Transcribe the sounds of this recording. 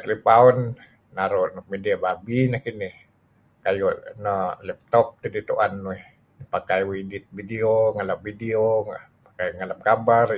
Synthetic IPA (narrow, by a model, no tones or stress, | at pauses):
t̪lipaɔnː | aɾoʔnɔkmediababinahkinih | kajɔnalɛp̚t̪ɔp̚t̪idit̪uʔanːuɛh | npakajwidit̪̚bidioŋalap̚vidio | pḁkajŋalap̚kabar